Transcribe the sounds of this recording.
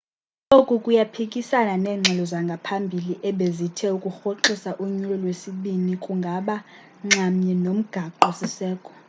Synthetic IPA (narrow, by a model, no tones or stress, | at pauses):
lokʼukʼujapʰikʼisananɛːŋ͡ǁʱɛlɔzaŋɡʱapʰambʱiliʔɛɓezitʰɛukʼuxoǃisaʔuɲulɔlwesiɓinikʼuŋɡʱaɓa | ŋ͡ǁamɲɛnom̩ɡ̥ʱaǃɔsisɛːkʼɔ̥